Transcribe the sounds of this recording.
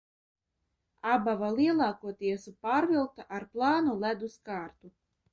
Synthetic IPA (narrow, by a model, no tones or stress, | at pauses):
abavaliɛlˠɑːkuɔt̪iɛsupaːɾvilˠkt̪aʔaɾplˠɑːnulæd̪uskaːɾt̪u